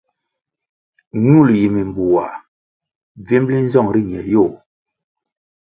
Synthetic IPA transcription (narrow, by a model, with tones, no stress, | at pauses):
ɲu˦˨lji˨mi˨mbu˨wa˨ | vi˦mli˦n˦zɔ˦˨ŋɾi˦ɲɛ˨jo˦˨